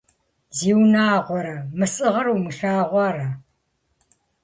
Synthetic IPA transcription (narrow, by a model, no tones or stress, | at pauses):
ziːwnaːʁʷɔɾɐmɨsʼɨʁɐɾuːmɨɬaːʁʷɑːrɐ